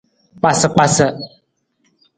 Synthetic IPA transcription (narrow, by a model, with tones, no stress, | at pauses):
k͡pa˨sə˨k͡pa˨sə˨